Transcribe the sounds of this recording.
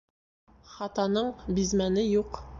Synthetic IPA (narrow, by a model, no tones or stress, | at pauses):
χɑt̪ɑnɤɴbizmænɘjuq